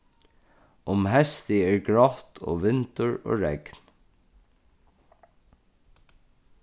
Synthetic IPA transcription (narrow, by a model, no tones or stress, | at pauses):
ʊmɦɛst̪ɪeːɹɡɹɔt̪ʰo̰ːʋɪnt̪əɹo̰ːɹɛ̰kn̥